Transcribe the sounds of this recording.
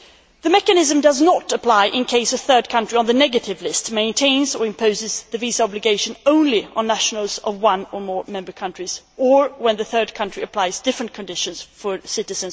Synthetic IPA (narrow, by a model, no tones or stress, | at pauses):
ðɨmɛkɨnɪzɨ̃mdʌznəɾəpʰl̥aɪʔɪ̃nkʰeɪsɨθɜ˞d̚kʰʌ̃nt͡ʃɹ̥iə̃nðɨnɛɡɨɾɪvlɪstmẽɪ̃ntʰẽɪ̃nzə˞ɨ̃mpʰoʊzɨzðɨvizɑblɨɡeɪʃɨ̃nõʊ̃nliə̰̃nːæʃn̩l̩ˠzʌvwʌ̃nəmɔɹmɛ̃mbə˞kʰʌ̃nt͡ʃɹ̥iz̥ə˞wə̃nðɨθɜ˞d̚kʰʌ̃nt͡ʃɹ̥iɨpʰl̥aɪzdɪfɹɨ̃nkʰɨ̃ndɪʃɨ̃nz̥fə˞sɪɾɨzɨ̃n